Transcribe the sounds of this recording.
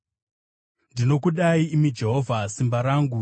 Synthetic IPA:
ndino̞kuɗaiːmid͡ʒe̞ɦo̞vʱasimbaɾaːŋɡu

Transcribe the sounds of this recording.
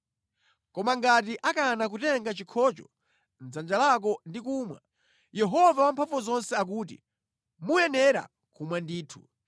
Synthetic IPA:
kɔmaŋɡat̬iʔakanak̬utɛŋɡat͡ʃikʰɔt͡ʃɔ | nd͡zand͡ʒalak̬ɔndikuːmwa̰ | jɛɦɔvawampʰaɱvɔzɔnsɛak̬uːt̬ḭ | mujɛnɛɾa̰ | kʰumwandiːtʰu̥̰

